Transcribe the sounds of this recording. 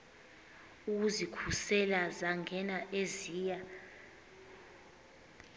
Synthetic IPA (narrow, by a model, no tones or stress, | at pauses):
uk̬uzikʰusɛlazaŋʱɛnaʔeziːja